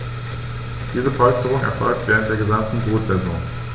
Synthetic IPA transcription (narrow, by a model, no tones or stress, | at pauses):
d̥iːzəfɔʏstəʁ̞ʊŋʔɛ̰ɐfɔlk̚tv̥eːʁntd̥eːɐɡəzamtn̩boːtz̥ɛzɔ̰̃ːŋ